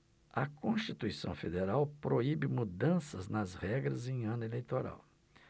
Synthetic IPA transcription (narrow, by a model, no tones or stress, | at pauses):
ɐkõʃt͡ʃit̪uisɐ̰̃w̃fed̪eɾawpɾoibɪmud̪ɐ̃sɐznɐzhɛɡɾɐzẽj̃ɐ̃nʊelejt̪oɾa̰w